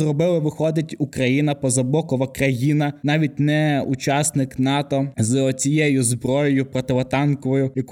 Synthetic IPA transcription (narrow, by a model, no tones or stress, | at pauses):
rɔbɪlˠɪʋɪxɔd̪ɪtʲukɾɐjinɐpɔzɐbˠɔkɔʋɐkɾɐjinɐnɑʋʲit̚ʲnɛut͡ʃɑsnɪknɑt̪ɔzt͡sʲijɛjʊzbɾɔjɔjʊpɾɔt̪ɪʋɔt̪ɑnkɔʋɔjʊjɐk